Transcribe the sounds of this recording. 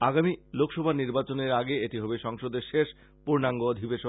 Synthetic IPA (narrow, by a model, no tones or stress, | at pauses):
aɡamilokʰʃɔbʱaɾniɾbat͡ɕoneɾaɡeet̪iɦɔbeʃɔŋʃod̪eɾʃeʃ | puɾnaŋɡood̪ʱibeʃo